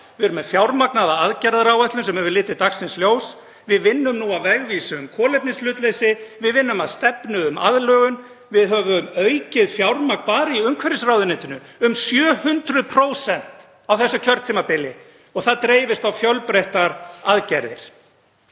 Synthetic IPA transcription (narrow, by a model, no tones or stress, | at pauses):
vɪɛɾʏmɛðfjawɾmaknaðaaðcɛɾðaɾawvɛht̪lʏnsɛmhɛvʏlɪːt̪ɪt̪axsɪnsljoːws | vɪðvɪnːʏmnuawvɛɣviːsʏʏmkʰɔːlɛp̚nɪnslʏːt̪lejsɪvɪðvɪnːʏmaðst̪ɛpnʏʏma̰ðlœːɣʏn | vɪðɦœːvʏmœɥcɪðfjawɾmak̚npaːɾɪiʏmkʰvɛɾɪsrawðɪneːt̪ʏnʏʏmsjœːhʏnt̪ɾʏðpʰɾoːwsɛn̥t̪ | awθɛsːʏcʰœɾt̪t̪ʰiːmapɪlɪ | ɔɣθaðt̪ɾeːjvɪst̪awfjœwlpɾejht̪aɾaðcɛɾðɪ̰ɾ̥